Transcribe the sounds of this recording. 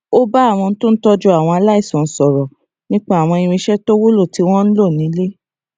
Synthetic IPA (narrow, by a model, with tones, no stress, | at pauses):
o˦ba˦a˦˨w̃ɔ̃˧n̩˦tõ˦n̩˦tɔ˦d͡ʒɔ˦a˦˨w̃ɔ̃˧a˧la˦i˦˨sɔ̃˨n̩˨sɔ˨ɾɔ˨ | nĩ˦k͡pa˦a˨w̃ɔ̃˧i˧w̃ĩ˧ʃɛ˦to˦wo˦lo˦˨ti˨˧˦w̃ɔ̃˦n̩˦lo˦˨nĩ˨˦le˦